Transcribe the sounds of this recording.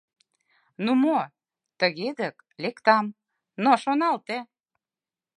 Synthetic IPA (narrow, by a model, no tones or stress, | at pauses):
numo | t̪ə̆ɣed̪ək | lekt̪ɑm | noʃonɑlt̪e